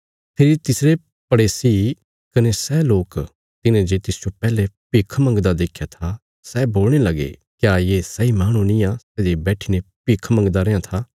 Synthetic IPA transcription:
t̪ʰeːɾit̪ɪsɾe | pɐɽeːsi | kɐnesɛːloːk | t̪ɪnẽd͡ʒet̪ɪsd͡ʒopɛːlepɪkʰmɐ̃ŋɡd̪ad̪eːkʰːjat̪ʰa | sɛːboːlɽ̃elɐɡḛ | kjaːjeːsɐimaːɽ̃ũnĩasɛːd͡ʒebɛːʈʰinepɪkʰmɐ̃ŋɡd̪aɾeːãt̪ʰaː

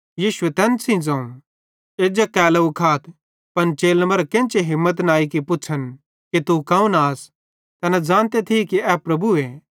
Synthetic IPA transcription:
jiːʃʊet̪ɛːnsʰĩd͡zɐ̃ːũ | eːd͡ʒakɛːlaʊkʰaːt̪ʰ | pɐnt͡ʃeːlmɐɾkẽːnt͡ʃeɦɪ̃mːət̪̬naːikipʊtːt͡ʃʰən | kit̪ukɐ̃ːũnaːs | t̪ɛːnad͡zãːnt̪et̪ʰikiɛpɾɐbueː

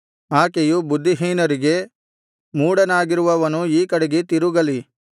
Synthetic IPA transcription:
aːkejubud̪ːiɦiːnɐɾiɡe̞ | muːɽɐnaːɡiɾuʋɐʋɐnuiːkɐɽeɡet̪iɾuɡɐli

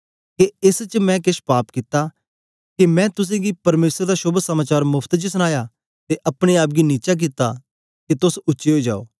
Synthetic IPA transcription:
keɪst͡ʃmɛ̃k̬ɪʃpaːpkɪt̪a | kimɛ̃ːt̪ʊs̬ẽɡipɐɾmeːsəɾd̪aʃʊbsɐmaːt͡ʃaːɾmʊpʰt̪d͡ʒsəñaːja | t̪eʔɐpɽ̃eaːp̬̚ɡiniːt͡ʃak̬it̪a | ket̪ʊsʊːʃeɦoːid͡ʒa̰ːo̰ː

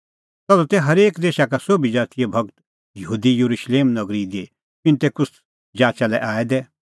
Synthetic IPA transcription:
t̪ɔlut̪ɛɦɐɾeːkd̪eːʃakasoːbid͡ʒaːt̪ijebʱɐɡt̪ | jɦuːd̪ijuɾuʃleːmnɐɡɾid̪e | pɪ̃nt̪ekʊs | d͡ʒaːt͡ʃalɛʔaːɛd̪ɛ

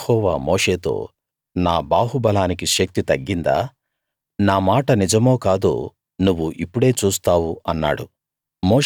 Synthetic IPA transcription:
hɔːʋa̰ːmoːʂe̞ːt̪o̞̰ː | naːbaːɦubɐlaːnikiʃɐk̚t̪it̪ɐɡːind̪a̰ː | naːmaːʈɐnid͡ʒɐmo̞ːkaːd̪o̰ː | nuʋːuʔipːuɽe̞ːt͡ʃuːst̪aːwuɐnːa̰ːɽṵ | moː

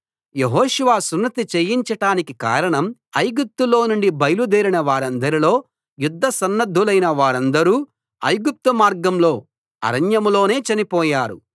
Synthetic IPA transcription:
je̞ɦoːʃuʋaːsunːɐt̪it͡ʃejiɲt͡ʃɐʈaːnikika̰ːɾɐɳɐmɐjɡup̚t̪ulo̞ːnuɳɖibɐjɐlud̪eːɾinɐʋaːɾɐnd̪ɐɾilo̞ː | jud̪ʱːɐsɐnːɐd̪ʱːulɐjnɐʋaːɾɐnd̪ɐɾuː | ɐ̰jɡup̚t̪umaːɾɡɐmlo̞ː | ɐ̰ɾɐnjɐmulo̞ːne̞ːt͡ʃɐnipɔːjaːɾṵ

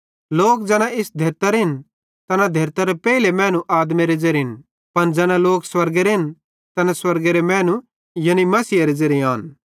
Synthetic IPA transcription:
loːkd͡ʒɛːñãɪsd̪ʱeːɾt̪aɾɦɪn | t̪ɐnad̪ʱeːɾt̪aɾepɛilemɛ̃ːnũʔaːd̪meɾed͡ʒɐɾɦɪn | pɐnd͡ʒɛːñãloːkswɐɾɡeɾeɦɪn | t̪ɐnãswɐɾɡeɾemɛ̃ːnũ | jɐnimɐsiːaɾed͡ʒɐɾjaːn

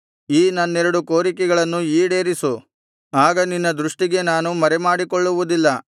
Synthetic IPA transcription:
iːnɐnːɛɾɐɽuko̞ːɾikɛɡɐɭɐnːuiːɽe̞ːɾisu | aːɡɐninːɐd̪ɾuʂʈiɡe̞naːnumɐɾɛmaːɽikoɭːuʋud̪ilːɐ

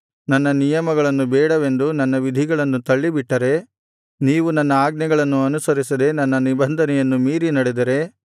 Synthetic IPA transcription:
nɐnːɐnijɐmɐɡɐɭɐnːubɛːɽɐʋe̞nd̪unɐnːɐʋid̪ʱiɡɐɭɐnːut̪ɐɭːibiʈːɐɾe̞ | niːʋunɐnːɐaːɡnɐɡɐɭɐnːuɐnusɐɾisɐd̪e̞nɐnːɐnibɐnd̪ʱɐnɛjɐnːumiːɾinɐɽed̪ɐɾe̞

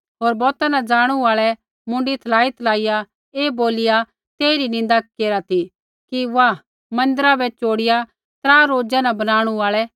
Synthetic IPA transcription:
ɦoːɾbɔːt̪anad͡ʒaːɽ̃uaːɭɛ | mʊ̃ɳɖit̪ʰɐlaːit̪ʰlaːɪja | eːboːlɪja | t̪eːɾinɪ̃n̆d̪akeːɾat̪i | kiʋa | mɐ̃nd̪əɾabɛt͡ʃoːɽɪja | t̪ɾaːɾoːd͡ʒãnãbɐnaːɽ̃uaːɭɛ

